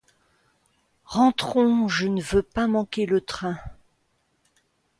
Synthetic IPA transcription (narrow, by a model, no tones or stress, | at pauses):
ʁɑ̃t̪χɔ̃ʒənəvøpamɑ̃kʲelət̪χɛ̃